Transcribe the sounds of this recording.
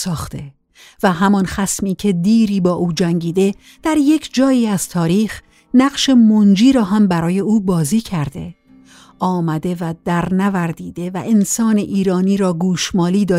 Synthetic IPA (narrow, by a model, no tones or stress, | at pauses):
sɒːxt̪e̞ | væɦæmɒnxæsmiːcʰe̞d̪iːɾiːbɒːʔuːd͡ʒæŋɟiːd̪e̞ | d̪̥æɾje̞cʰd͡ʒɒːjiːæz̥t̪ʰɒːɾiːx | næɣʃe̞mond͡ʒiːɾɒːɦæmbæɾɒːje̞uːbɒːziːcʰæɾd̪e̞̰ | ʔɒːmæd̪e̞væd̪̥æɾnævæɾd̪iːd̪e̞væʔensɒːneʔiːɾɒːniːɾɒːɡuːʃmɒːliːd̪ɒː